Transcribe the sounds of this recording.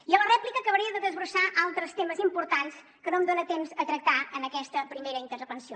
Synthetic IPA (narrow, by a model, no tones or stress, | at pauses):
iələrɛplikəːkəβɾiəðəðəzβɾusaʔalˠt̪ɾəst̪eməzimpuɾt̪ans | kənomd̪onət̪emzət̪ɾək̚t̪aənəkɛst̪əpɾimeɾəint̪əɾpənsio